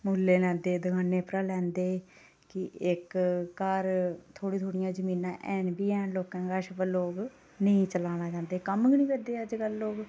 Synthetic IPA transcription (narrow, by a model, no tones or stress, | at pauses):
muːlːeːlɛ̃ːnd̪eːd̪ʊkʰaːnːeːpɾaːlɛ̃ːnd̪eː | kɪɪkːaɾt̪ʰoːɽiːt̪ʰoːɽɪjãːd͡ʒəmĩːnãːʔɛːnbiːɛːnloːkãːɡaːʃəpəloːɡ | nəĩt͡ʃəlaːñãːt͡ʃãːnd̪eːkəməɡnĩːbəd̪eːəd͡ʒkəlːoːɡ